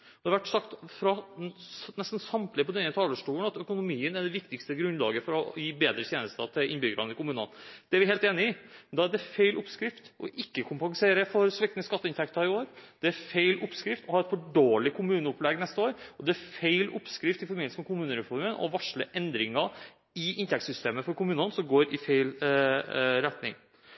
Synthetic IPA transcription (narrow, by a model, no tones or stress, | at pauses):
ɔd̪ɛɑʋæʈːsɑkt̪fɾɑ | nɛst̪n̩sɑmt̪lɪpɔd̪ɛnːət̪ʰɑːləʂʈuːəɳɑt̪œkʊnʊmiːənæɖɛʋɪkt̪ɪkst̪əɡɾʉnlɑ̰ːɡəfɔɾɔjiːbeːd̪ɾət̪ʰjeːnəst̪ə̰t̪ʰɪlɪnbʏɡɾɑnəɪkʊmʉːnɑ̰nd̪̥ɛæɾʋɪɦeːlt̪eːnɪɪnd̪ɑæɖɛfeɪlʔʊpskɾɪft̪ɔ̰ʔɪkːəkʰʊmpɑŋseːɾəfɔɾsʋɛkt̪ənəskɑt̪ːəɪnt̪ʰɛkt̪ɑɾɪoːɾd̪̥ɛæfeɪlʔʊpskɾɪft̪ʰɔhɑːɛt̪fɔɖoːlɪkʰʊmʉːnəʊplɛɡnɛst̪əoːɾɔd̪ɛfeɪlʊpskɾɪft̪ɪfɔɾmɪnsəmɛkʰʊmʉːnəɾɛfɔɾmənɔ̰ʋɑʂɭə̰ʔɛnd̪ɾɪŋɑ | ɪʔɪnt̪ʰɛkt̪sʏst̪eːməfɔɾkʊmʉːnənsɔmɡoːɾɪfeɪl | ɾɛt̪nɪ̰ŋ